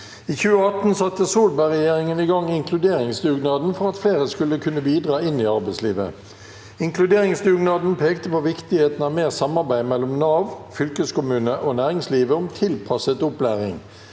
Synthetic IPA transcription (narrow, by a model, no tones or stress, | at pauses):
iːçʉːəɑt̪n̩sɑt̪ːəsuːlbæɪʁɛjeːʁɪŋənɪɡɑŋːɪŋkʰlʉd̪eːʁɪŋsd̪ʉːɡnɑːd̪n̩fɔʁɑt̪fleːʁəskʉlːəkʰʉnːəbiːd̪ʁɑːɪnːiːɑʁbæɪslḭːʋə̰ | ɪŋklʉd̪eːʁɪŋsd̪ʉːɡnɑːd̪n̩pʰeːkt̪əpoːʋɪkt̪ɪheːt̪n̩ɑʋmeːʁsɑmɑʁbæɪmɛlːʊmnɑːʋfʏlkəskʊmʉːnəʔoːnæːʁɪŋsliːʋəʊɔmt̪ʰɪlpʰɑsət̪ʊplæːʁɪŋ